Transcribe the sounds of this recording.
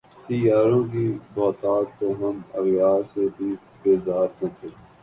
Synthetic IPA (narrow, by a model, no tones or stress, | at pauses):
t̪ijaːɾõːkiːbɔːt̪aːt̪ːoːɦəməɣjaːɾsebʱiː | beːzaːɾnət̪ʰeː